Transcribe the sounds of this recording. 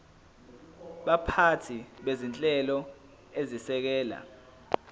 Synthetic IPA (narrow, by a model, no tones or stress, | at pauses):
ɓapʰatʰiɓezint͡ɬʼɛlɔ | ezisɛk̬ɛːla̰